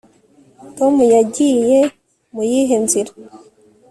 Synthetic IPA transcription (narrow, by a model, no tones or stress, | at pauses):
tomujaɟije | mujiɦenziɾa